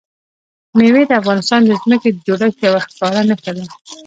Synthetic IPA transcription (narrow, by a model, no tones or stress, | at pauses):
mewed̪əafɣɑnɪst̪ɑnd̪əzməked̪əd͡ʒoɽakjawaxkɑɾanəkala